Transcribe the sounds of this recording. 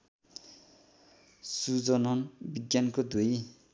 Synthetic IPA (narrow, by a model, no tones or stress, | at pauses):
sud͡zʌnʌnbiɡʲjankod̪uji